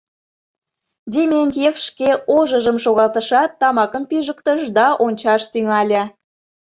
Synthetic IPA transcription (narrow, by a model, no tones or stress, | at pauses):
d̪ʲemʲenʲt̪jefʃkeʔoʒəʒəmʃoɣɑlˠt̪əʃɑt̪ːɑmɑkəmpiʒəkt̪əʃd̪ɑʔonʲt͡ɕɑʃt̪yŋɑlʲĕ